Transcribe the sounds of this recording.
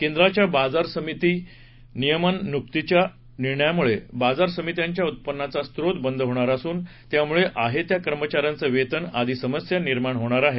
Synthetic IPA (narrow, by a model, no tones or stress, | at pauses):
kẽnd̪ɾat͡ɕjabad͡zaɾsəmit̪iː | nijəmənːuk̚t̪it͡ɕja | niɾɳəjamuɭebad͡zaɾsəmit̪jaɲt͡ɕjaut̪̚pənːat͡sast̪ɾot̪bənd̪ʱɦoɳ̃aɾasuːn | t̪jamuɭeʔaɦet̪jakəɾmət͡ɕaɾjant͡səʋet̪ənad̪ʱisəməsjaniɾmaɳɦoɽ̃aɾaɦe